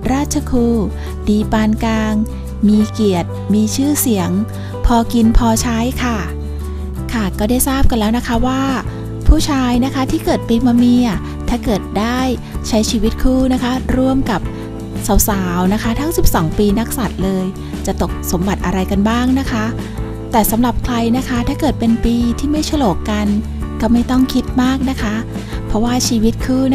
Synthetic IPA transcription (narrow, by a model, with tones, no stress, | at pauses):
ɾaː˥˩t̪̚t͡ɕʰa˧kʰuː˧ | diː˧paː˧nkaː˧ŋ | miː˧ki˨˩ət̪̚miː˧t͡ɕʰɯː˥˩si˨˩˦əŋ | pʰɔː˧ki˧npʰɔː˧t͡ɕʰa˦˥jkʰa˥˩ | kʰa˥˩kɔː˥˩daː˥˩jsaː˥˩p̚ka˧nlɛː˦˥wna˦˥kʰa˦˥waː˥˩ | pʰuː˥˩t͡ɕʰaː˧jna˦˥kʰa˦˥t̪ʰiː˥˩kɤː˨˩t̪̚piː˧ma˧miː˧a˨˩ | t̪ʰaː˥˩kɤː˨˩t̪̚daː˥˩j | t͡ɕʰa˦˥jt͡ɕʰiː˧wi˦˥t̪̚kʰuː˥˩na˦˥kʰa˦˥ɾu˥˩əmka˨˩p̚ | sa˩˦wsaː˩˦wna˦˥kʰa˦˥t̪ʰa˦˥ŋsi˨˩p̚sɔː˩˦ŋpiː˧na˦˥k̚sa˨˩t̪̚lɤː˧j | t͡ɕa˨˩t̪o˨˩k̚so˩˦mba˨˩t̪̚ʔa˧ɾa˧jka˧nbaː˥˩ŋna˦˥kʰa˦˥ | t̪ɛː˨˩sa˩˦mla˨˩p̚kʰla˧jna˦˥kʰa˦˥t̪ʰaː˥˩kɤː˨˩t̪̚pe˧npiː˧t̪ʰiː˥˩ma˥˩jt͡ɕʰa˧loː˨˩kːa˧n | kɔː˥˩ma˥˩jt̪ɔ˥˩ŋkʰi˦˥t̪̚maː˥˩k̚na˦˥kʰa˦˥ | pʰɾɔ˦˥waː˥˩t͡ɕʰiː˧wi˦˥t̪̚kʰɯː˥˩